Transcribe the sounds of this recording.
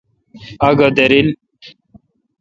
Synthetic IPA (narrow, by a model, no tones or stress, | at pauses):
aɡad̪eɾil